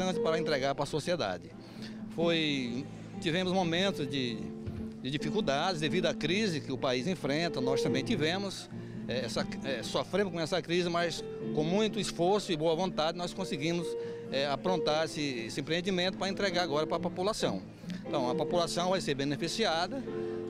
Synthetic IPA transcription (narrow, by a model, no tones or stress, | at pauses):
t̪ɐ̃t͡ʃ̪ɪpaɾɐẽnt̪ɾeɡaɾpɾɐsosied̪a̰d͡ʒɪ | foj | t̪ivẽmʊzmomẽnt̪ʊzd͡ʒɪ | d͡ʒɪd͡ʒifikuwd̪ad͡ʒɪzd̪evid̪ʊɐkɾizɪkɪʊpaizẽfɾẽnt̪ɐnɔst̪ɐ̃mbẽj̃t̪ivẽmʊs | ɛɛsɐɛsofɾẽmʊkõɛsɐkɾizɪmɐs | kõmũj̃t̪ʊisfoɾsʊɪboɐvõnt̪ad͡ʒɪnɔskõsɪɡĩmʊs | ɛapɾõnt̪aɾesɪesɪẽmpɾeẽnd͡ʒ̪imẽt̪ʊpɾɐẽnt̪ɾeɡaɾaɡɔɾɐpɾɐpopulasɐ̃w̃ | ẽnt̪ɐ̃w̃ɐpopulasɐ̃w̃vajseɾbẽnefisiad̪ɐ